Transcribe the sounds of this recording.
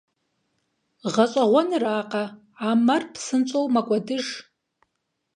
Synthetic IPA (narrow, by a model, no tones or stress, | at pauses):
ʁat͡ʃʷʼaʁʷanɨraːqʼa | amarpʰsɨnt͡ʃʷʼowmakʷʼadɨʐ